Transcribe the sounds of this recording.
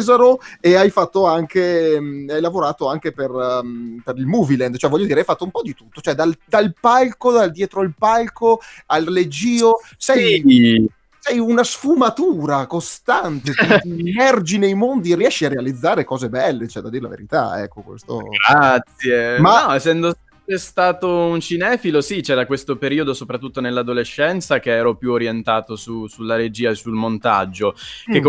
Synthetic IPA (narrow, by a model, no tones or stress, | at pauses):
zaɾoeajfat̪ːoaŋkeajlavoɾaːt̪oaŋkeperpeɾilmuːvilɛnd̪t͡ʃoɛvɔʎːod̪iːɾeajfat̪ːoumpɔd̪it̪ut̪ːot͡ʃoɛd̪ald̪alpalkod̪ald̪jɛːt̪ɾoilpalkoalːed͡ʒiːo | sɛj | sɛjunasfumat̪uːɾakost̪ant̪ekmɛrd͡ʒinejmond̪ierːiɛʃːiarːealid̪zːaːɾekɔːzebɛlːet͡ʃoɛd̪ad̪iɾela̰vḛɾit̪a̰ɛ̰kːokwḛst̪o̰ɡɾat̪sːjemanɔɛsːɛnd̪o | t͡ʃɛst̪aːt̪ount͡ʃinɛːfilosit͡ʃɛːɾakwest̪opeɾiːod̪osopɾat̪ːut̪ːonelːad̪oleʃːɛnt̪sakeɛːɾopjuoɾjent̪aːt̪osusulːaɾed͡ʒiːaesulmont̪a̰d͡ʒːoekːo